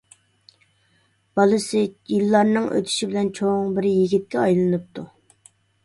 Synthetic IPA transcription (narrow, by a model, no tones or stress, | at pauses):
b̥ɑlˠɨsɪjilːɑɾnɨŋʔø̰t̪ʰy̥ʃibɪlɛnt͡ʃʰoŋbɪɾjiɡʲit̪̚kʲɛɑjlˠɨnɨp̚t̪ʰu